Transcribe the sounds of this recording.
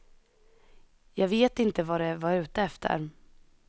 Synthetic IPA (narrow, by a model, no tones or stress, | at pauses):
jɑːɡveːt̪ɪnt̪əvaɖɛvaɾʉ̟ːt̪əɛft̪ʰə̰ɾ